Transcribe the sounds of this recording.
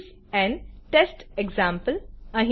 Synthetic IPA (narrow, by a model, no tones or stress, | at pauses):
ɛ̃ɳɖʈesʈeɡzãːmpəlɐɦ